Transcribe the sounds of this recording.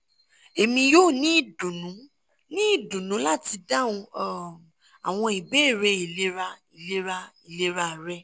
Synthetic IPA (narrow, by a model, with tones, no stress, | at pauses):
e˨mĩ˧joː˦˨nĩ˦i˦˨dũ˨nũ˨˦ | nĩ˦i˦˨dũ˨nũ˨˦la˦ti˧da˦ũ˧˦˨ | a˨w̃ɔ̃˧i˨be˦˨ɾe˧i˨le˨˦ɾa˧i˨le˦ɾa˧i˨le˦ɾa˧˨ɾɛ˧˦